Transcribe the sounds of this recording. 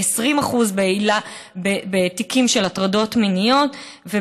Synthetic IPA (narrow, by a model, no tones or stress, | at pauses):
esʁimaχuzbeilabebetikimʃelatʁado̞tminijo̞t | ve